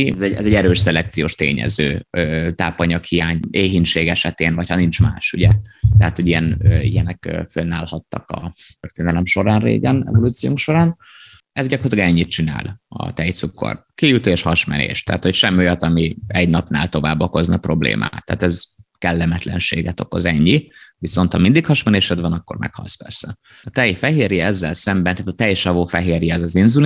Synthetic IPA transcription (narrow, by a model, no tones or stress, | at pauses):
zɛɟɛzɛɟɛɾøːʃsɛlɛkt̪sijoːʃt̪eːɲɛ̰zøːøːt̪aːpɒɲɒkhijaːɲeːɦinʃeːɡɛʃɛt̪eːnvɒchɒnint͡ʃmaːʃuɟɛt̪ɛɦaːt̪hoɟijɛnøḭjɛnɛkːfønːaːlhɒt̪ːɒkɒt̪ørt̪eːnɛlɛmʃo̞ɾaːnrḛːɡɛnɛ̰vo̞luːt̪sijoːŋkʃo̞ɾaːn | ɛzɟɒkort̪lɒɡɛɲːit̪̚t͡ʃina̰ːlɒ̰t̪ɛjt̪sukːo̰rkijut̪eːʃhɒʃmɛ̰nḛːʃt̪ɛ̰ːt̪ho̞cʃɛmːiojɒt̪ɒmiɛɟnɒpna̰ːlt̪o̞va̰ːbo̞ko̞znɒpro̞blḛːmʔa̰ːt̪ːa̰ːt̪ɛzkɛlːɛmɛt̪lɛnʃḛːɡɛt̪o̞ko̞zɛɲːiviso̞nt̪hɒmind̪ikhɒʃmɛneːʃod̪vɒnɒkːo̞̰rmɛ̰khɒ̰lspɛ̰rsɛ | ɒt̪ɛjfɛɦeːɾiɛzːɛlsɛmbɛnt̪aːt̪ɒt̪ɛjʃɒvoːfɛɦeːɾjiɛzɒzinzun